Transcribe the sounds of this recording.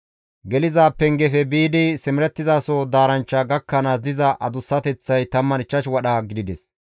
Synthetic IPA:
ɡɛlɪzaːpːɛŋɡɛfɛbiːd̪ɪsɪmɪɾɛt̪ːɪzaːsod̪aːɾɐnt͡ʃːaɡɐkːɐnɐzɪzɐʔɐd̪ʊsːɐt̪ɛt͡sːɐjt̪ɐmːɐnɪt͡ʃːɐʃwɐɗaːɡɪd̪ɪd̪ɛs

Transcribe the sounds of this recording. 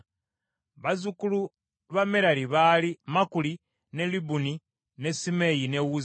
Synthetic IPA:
βazukulu | βameɾaɾiβalimakuli | ne̞libuni | ne̞simejine̞wuz

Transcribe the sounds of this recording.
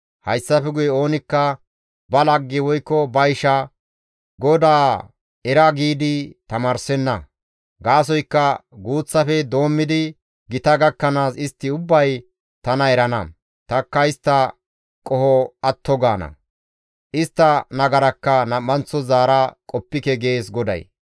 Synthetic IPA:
hɐjsːɐfɛɡʊjɛo̞ːnɪkːɐ | bɐlɐɡːɪwɔjkːɔbɐjɪʃɐ | ɡɔd̪aː | ɛɾɐɡiːd̪ɪt̪ɐmaːɾsɛnːɐ | ɡaːs̬ɔjkːɐɡuːt͡sːɐfɛd̪o̞ːmːɪd̪ɪ | ɡɪt̪ɐɡɐkːɐnaːsɪst̪ːɪʊbːɐj | t̪ɐnɐɛɾɐnɐ̰ | t̪ɐkːɐɪst̪ːɐ | kʼɔhɔɐt̪ːɔɡaːnɐ̰ | ʔɪst̪ːɐnɐɡɐɾɐkːɐnɐmːɐnt͡sːɔzaːɾɐkʼɔpːɪkɛɡeːsɡɔd̪ɐ̰j

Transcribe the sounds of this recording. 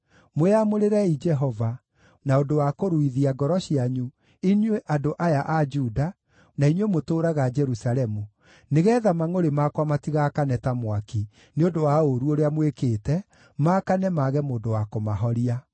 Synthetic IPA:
moamoɾeɾɛid͡ʒɛɦɔva | naondowakoɾuiðiaɡɔɾɔɕiaɲu | inweʔadoʔajaʔad͡ʒuːda | nainwemotoːɾaɣad͡ʒɛɾusalɛmu | neɣɛːðamaŋoɾemakwamatiɣakanɛtamwaki | neondowaoɾuoɾeamwekeːtɛ | makanɛmaɣɛmoːndowakomaɦɔɾia

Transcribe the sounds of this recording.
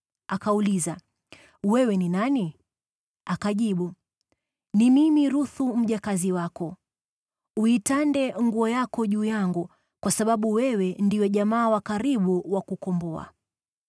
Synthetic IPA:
akauliza | wɛwɛninani | akaʄiɓu | nimimiɾuθum̩ʄakaziwakɔ | uitandɛŋɡuɔjakɔʄuːjaŋɡu | kwasaɓaɓuwɛwɛndiwɛʄamaːwakaɾiɓuwakukɔmbɔa̰

